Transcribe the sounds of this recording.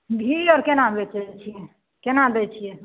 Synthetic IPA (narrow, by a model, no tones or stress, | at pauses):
bʱiɔɾkenabet͡ʃɛt͡ʃʰijɛ | kenad̪ɛt͡ʃʰijɛ